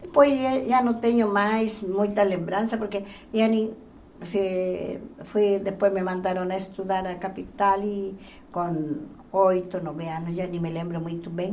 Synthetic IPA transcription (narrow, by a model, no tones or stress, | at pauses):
d̪epojseʒanõt̪eɲomajsmũjt̪alembɾansapoɾke | ianĩ | fi | fwid̪espwejsmemãnd̪aɾõnaest̪uðaɾakapit̪ali | kõn | ojt̪onoβeanosjanĩmelẽmbɾomũjt̪oβẽŋ